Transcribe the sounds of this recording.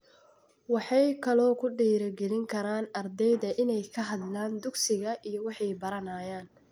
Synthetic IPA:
wɑħɑjkʰɐlɔːkʰʊɖiːɾɐɡɛlɪŋkʰɐɾaːnɐrd̪ɛjðɐʔɪnɛjkʰɐɦɐd̪laːnd̪ʊɡsɪɣɐʔijɔwɑħɑjbɐɾɐnaːjaːn

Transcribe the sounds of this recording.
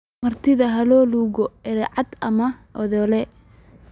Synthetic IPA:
mɐrt̪ʰɪðɐɦɐlɔːluːɣɔɛɾɛʕɑd̪ɐmɐʔɔðɔlɛ

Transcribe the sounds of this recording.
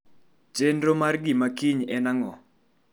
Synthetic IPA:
d͡ʒendromarɡɪmakiɲɛnaŋɔ

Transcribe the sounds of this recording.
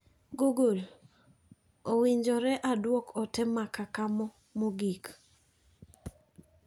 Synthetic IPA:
ɡuɡul | owiɲd͡ʒɔɾɛʔadwɔkɔtɛmakakamɔ | moɡik

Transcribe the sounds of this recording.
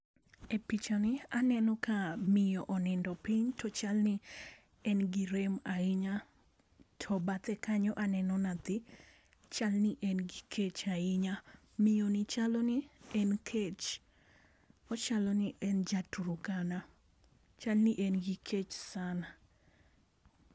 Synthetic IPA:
epit͡ʃanɪanɛnɔkamɪjɔʔɔnɛndɔpiɲtʰɔt͡ʃalnɪ | ɛnɡiɾemaɪɲa | tʰɔbat̪ɛkaɲɔʔanɛnɔnat̪ɪ | t͡ʃalnɪʔɛnɡikʰet͡ʃaɪɲa | mɪjonɪt͡ʃalɔnɪɛnkʰet͡ʃ | ɔt͡ʃalɔniʔɛnd͡ʒatuɾukana | t͡ʃalniʔɛnɡikʰet͡ʃsana

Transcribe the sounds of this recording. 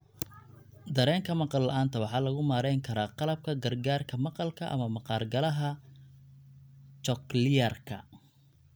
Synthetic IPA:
d̪ɐɾɛːŋkʰɐmɑqɑlːɐ̰ʔaːnt̪ʰɐwɑħɑːlɐɣʊmaːɾɛjŋkʰɐɾaːqɑlɐb̚kʰɐɡɐrɡaːrkʰɐmɑqɑlkʰɐʔɐ̰mɐmɑqɑːrɡɐlɐɦɐ | t͡ʃɔklɪjɐrkʰɐ̰

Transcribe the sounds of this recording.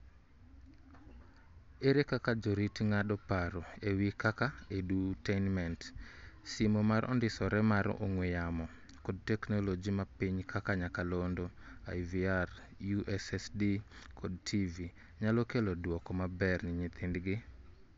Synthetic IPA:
eɾekakad͡ʒoɾitŋadɔpaɾoewikakaedutenmɛntsimomaɾʔɔ̰ndɪsɔɾɛmaɾ̰o̰ŋwɪjamɔ | kɔd̚tɛknolod͡ʒimapiɲkʰakaɲakalondoa̰jviar | juʔɛsɛsdikʰod̚tʰivi | ɲalɔkelɔdwɔkɔmabɛrnɪɲɪt̪ɪndɡɪ

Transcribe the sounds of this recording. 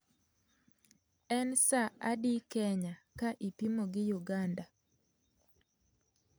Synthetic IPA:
ɛnsaadikɛɲakaʔipimoɡɪjuɡanda

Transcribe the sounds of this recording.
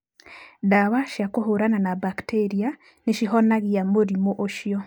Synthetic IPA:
daβaʃjakoɦoɾananabakteɾija | neʃiɦɔnaɣiamoɾimoʔoʃjɔ

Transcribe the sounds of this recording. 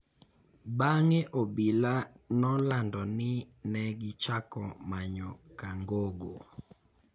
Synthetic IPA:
baŋɛʔɔbilanɔlandɔnɪnɛɡɪt͡ʃakɔmaɲɔkaŋɡoɡo

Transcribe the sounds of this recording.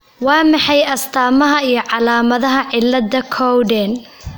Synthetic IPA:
wɑːmɑħɑjɐst̪ʰaːmɐɦɐijɞʕɑlaːmɐðɐɦɐʕɪlːɐd̪ɐkʰɔwɖɛn

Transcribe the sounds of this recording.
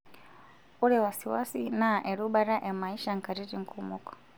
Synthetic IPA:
uɾɛwasiwasinaʔɛɾuɓaɾaʔɛmaiʃaŋ̩kaɾiɾiŋ̩kʰumukɔ̥

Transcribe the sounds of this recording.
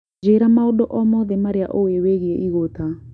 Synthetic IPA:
d͡ʒeɾamaodɔʔɔmɔðemaɾeaʔoweweɣieʔiɣota

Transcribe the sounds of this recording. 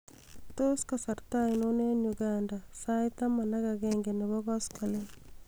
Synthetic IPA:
t̪oskasaɾt̪ainonenjuɡandasajt̪amanaɡaɡeŋɡeneβɔɡɔskʰale

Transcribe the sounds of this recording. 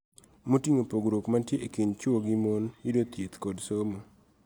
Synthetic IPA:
motiŋopoɡɾokmantjeʔekint͡ʃoɡɪmonjidot̪jet̪kodsomo

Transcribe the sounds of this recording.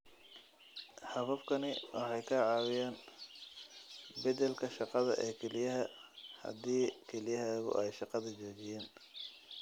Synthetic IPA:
hɐβɐbkʰɐnɪwɑħɑjkʰaːʕɑːwɪjaːn | bɐd̪ɛlkʰɐʃɑqɑðɐ̰ʔɛːkʰɛlɪjɐɦɐhɐ̰d̪iːkʰɛlɪjɐɦɛːɣʊ̰ʔɛjʃɑqɑðɐt͡ʃɔːt͡ʃɪjɛːn

